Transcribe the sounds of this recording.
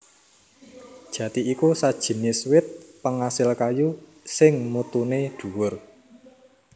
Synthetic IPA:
d̥ʒ̥ä̤t̪iːkusad̥ʒ̥i̤niswɪt̪̚pəŋasɪlkajusɪŋmut̪uneɖ̪̥ṳwʊr

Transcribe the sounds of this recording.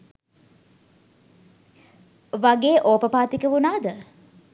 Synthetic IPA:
ʋaɡeːʔoːpəpaːt̪ikəʋunaːd̪ə

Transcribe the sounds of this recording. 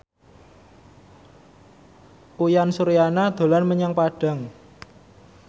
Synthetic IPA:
ujansuɾijanad̪̥o̤lanməɲaŋpaɖ̥a̤ŋ

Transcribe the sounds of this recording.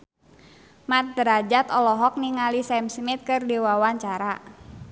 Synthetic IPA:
mat̪̚bəɾad͡ʒat̪ɔlɔɦɔk̚niŋalisɛmsmit̪̚kɨrdiwawaɲt͡ʃaɾa

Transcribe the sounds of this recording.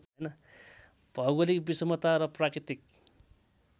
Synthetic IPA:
ʌjnʌ | b̥ʱʌɡolikbisʌmʌt̪aɾʌprakɾit̪ik̚

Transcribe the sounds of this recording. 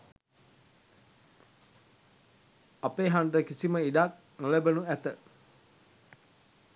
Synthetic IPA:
apeːɦaɳɖəkisiməiɖak̚ | nəlebənuæt̪ə

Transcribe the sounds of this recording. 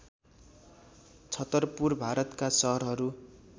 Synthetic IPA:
t͡sʰʌt̪ʌrpurbʱaɾʌt̪kasʌɦʌɾɦʌɾu

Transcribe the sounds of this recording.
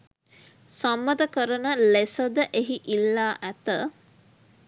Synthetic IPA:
samːəd̪əkəɾənəlesəd̪əʔeɦiʔilːaːʔæt̪ə

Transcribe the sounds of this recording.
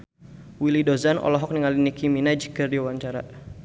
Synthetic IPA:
wilidɔzanɔ̰lɔɦɔk̚niŋalinikiminad͡ʒikərdiwaɲt͡ʃaɾa̰

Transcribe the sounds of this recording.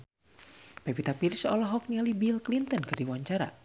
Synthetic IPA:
pɛpit̪apirsɔlɔɦɔk̚nialibilklint̪ənkɨrdiwaɲt͡ʃaɾa̰

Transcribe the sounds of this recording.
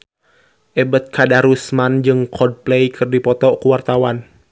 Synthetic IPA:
ʔɛbət̪̚kʰadaɾusmand͡ʒɨŋkʰɔd̚plejkʰɨrdipɔt̪ɔkuwart̪awan

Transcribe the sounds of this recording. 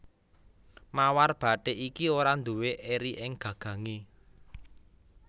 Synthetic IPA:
mawarb̥a̤ɖ̥eʔikioɾand̪uweʔeɾiʔɪŋɡ̥ä̤ɡ̥ä̤ŋe

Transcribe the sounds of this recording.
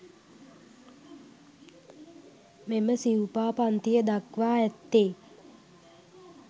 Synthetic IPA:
meməsiwupaːpant̪ijəd̪akʋaːɛt̪ːeː

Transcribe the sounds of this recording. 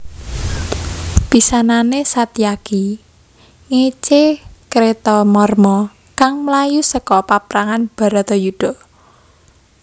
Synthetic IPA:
pisananesat̪iaɡ̥i | ŋet͡ʃekɾet̪ɔmɔrmɔ | kaŋmlajusəkɔpapɾaŋanb̥a̤ɾat̪ɔjud̥ɔ̤

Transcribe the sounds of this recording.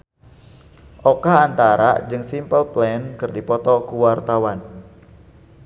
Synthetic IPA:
ʔɔkaːnt̪aɾa̰d͡ʒɨŋsimpəlplɛnkɨrdipɔt̪ɔkuwart̪awan

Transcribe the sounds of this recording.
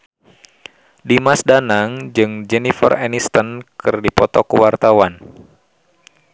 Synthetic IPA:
dimasdanaŋd͡ʒɨŋd͡ʒɛnifə̰rɛnist̪ənkɨrdipɔt̪ɔkəwart̪awan

